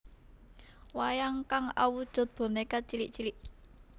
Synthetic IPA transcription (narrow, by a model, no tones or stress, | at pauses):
wajaŋkaŋa̰wud̥ʒ̥ɔ̤t̪̚b̥o̤nekat͡ʃiliʔt͡ʃiliʔ